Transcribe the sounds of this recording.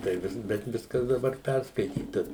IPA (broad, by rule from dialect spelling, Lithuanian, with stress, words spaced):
tɐɪ ˈʋʲɪs bʲɛt ˈʋʲɪskɐs dɐˈbɐr ˈpʲærskɐɪtʲiːtɐ